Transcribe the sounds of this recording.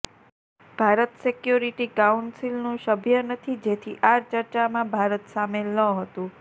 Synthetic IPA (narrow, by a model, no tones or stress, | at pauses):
b̥ʱaɾət̪sekjuɾiʈikaunsilnũʃəbʱjənət̪ʰid͡ʒet̪ʰiʔaɾt͡ʃəɾt͡ʃamãbʱaɾət̪samelːəɦət̪ũ